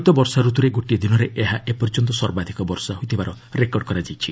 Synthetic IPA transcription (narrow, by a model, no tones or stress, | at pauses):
jt̪ɔbɔɾsaɾut̪uɾeɡoʈid̪inɔɾeʔeɦaʔepɔɾd͡ʒɔnt̪ɔswɔɾbad̪ʱikɔbɔɾsaɦojt̪ʰibaɾɔ | ɾekɔɾɖ̚kɔɾad͡ʒajt͡ʃʰi